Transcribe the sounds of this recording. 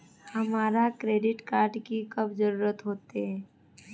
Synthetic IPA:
hɐmaːɾakɾeːɖɪʈkaːɾɖkikɐbd͡ʒəɾuːɾət̪ɦoːt̪eɦɛː

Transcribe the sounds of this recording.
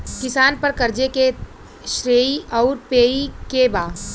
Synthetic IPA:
kɪsaːnpɐɾkɐɾd͡ʒeke | ʃɾeːiɔːɾpeːikebaː

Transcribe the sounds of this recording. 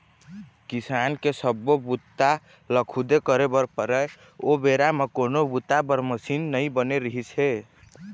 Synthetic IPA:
kisankesəbːobut̪ːa | ləkʰud̪ekəɾebəɾpəɾɛ | obeɾamekonobut̪ːabəɾməsinːəjbəneɾəɦit͡ʃʰɦe

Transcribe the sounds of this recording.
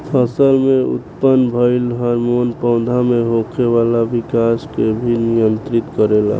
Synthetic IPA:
pʰəsəlmẽʊ̰t̪pənbʱəɪlɦaɾmonpə̃ʊ̃d̪ʱamẽɦokʰeʋaːlaʋɪkaːskebʱinɪjənt̪ɾɪt̪kəɾela̰ː

